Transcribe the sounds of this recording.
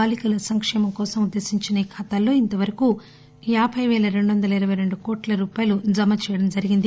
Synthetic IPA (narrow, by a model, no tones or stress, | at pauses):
aːlikɐlɐsɐŋkʂɛːmɐmkɔːsɐmud̪ːe̞ːsiɲt͡ʃinɐikʰɐt̪aːlːo̞ːint̪ɐʋɐɾɐku | jaːbʱɐjʋɛːlɐɾe̞ɳɖuʋɐnd̪ɐlɐiɾɐʋɐjɾe̞ɳɖukɔːʈlɐɾuːpaːjɐlud͡ʒɐmɐt͡ʃɛːjɐɽɐmd͡ʒɐɾiɡind̪i